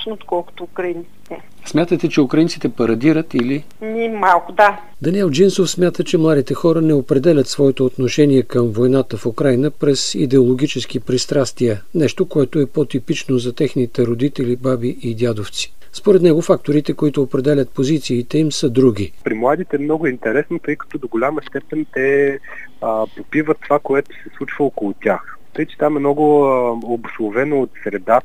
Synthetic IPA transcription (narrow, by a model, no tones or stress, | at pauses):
ot̪kɔlˠko̥t̪oukɾɐint̪si̥t̪ɛ | smʲat̪ət̪ɛt͡ʃɛukɾɐint̪si̥t̪ɛpɐɾɐd̪iɾət̪ili | nʲimalˠkʊd̪a | d̪ɐniɛlˠd͡ʒinsofsmʲjat̪ət͡ʃɛmlˠad̪it̪ɛxɔɾənɛopɾɛd̪ɛlʲət̪svɔɛt̪oːt̪noʃɛniɛkəmvojnat̪əfukɾajnəpɾɛsḭd̪ɛolˠoɡʲit͡ʃɛsk̟ipɾist̪ɾast̪viənɛʃt̪okoɛt̪oɛpɔt̪ipit͡ʃnozɐt̪ɛxnit̪ɛɾod̪it̪ɛlʲibabiʔid̪ʲad̪oft̪si̥ | spoɾɛt̪nɛɡofak̚t̪oɾit̪ɛkoit̪ʊːpɾɛd̪ɛlʲət̪̚pozit̪siːt̪ɛimsəd̪ɾuɡ̟ʲipɾimlˠad̪it̪ɛːmnɔɡʊint̪ɛɾɛsnot̪ɤjkɐ̥t̪ɔd̪oɡolʲaməst̪ɛpɛnt̪ɛ | popivət̪ːovakoɛt̪o̥sɛslˠut͡ʃvəokolˠʊt̪ʲax | t̪əjt͡ʃɛ̥t̪amɛmnɔɡʊobʊslˠovɛnoːt̪sɾɛd̪a